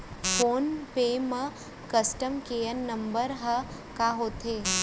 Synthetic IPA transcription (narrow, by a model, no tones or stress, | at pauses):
fʰoːnpemɐ | kəsʈəmkejənːɐmbəɾɦɐ | kaːɦoːt̪ʰe